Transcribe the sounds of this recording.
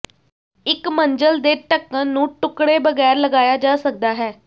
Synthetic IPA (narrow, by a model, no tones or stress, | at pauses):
ɪkməɲd͡ʒəld̪eːʈəkːənːũːʈʊkɽeːbəɡɛːɾləɡaːjaːd͡ʒaːsək̚d̪aːɦɛː